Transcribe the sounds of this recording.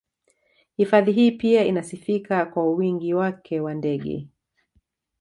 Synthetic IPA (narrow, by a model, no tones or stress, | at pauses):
hifaðiɦiːpiainasifikakwauwiŋɡiwakʰɛwandɛɠɛ̰